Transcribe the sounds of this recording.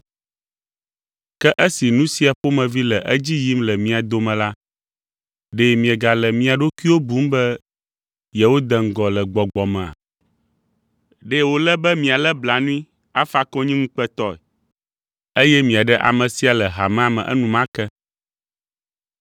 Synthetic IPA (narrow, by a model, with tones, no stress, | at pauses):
kɛ˦ʔə˦si˨nũ˦si˦a˨ɸo˦mɛ̃˨vi˦lɛ˨ʔə˦d͡ʑi˦ji˦mlɛ˨mĩ˦a˨d̪o˨mɛ̃˨la˦ | ɖe˦mĩ˨ɛ˨ɡa˨lɛ˨mĩ˦a˨ɖo˦ki˦wo˦bu˦m˦bɛ˦ | jɛ˨wo˦d̪ɛ˨ŋ̩˨ɡɔ˨lɛ˨ɡ͡bɔ˨ɡ͡bɔ˨mɛ̃˨a̰˨ | ɖe˦wo˨lɛ˦bɛ˦mĩ˨a˨lɛ˦bla˨nũ˦ĩ˦ | a˦fa˦kɔ̃˦ɲĩ˦ŋũ˦k͡pɛ˦t̪ɔ˦ɛ̰˨ | e˦jɛ˦mĩ˨a˨ɖɛ˦ʔa̰˨mɛ̃˨si˦a˨lɛ˨ɦa˨mɛ̃˦a˨mɛ̰̃˨ʔɛ̰˦nũ˨mã˦kɛ˦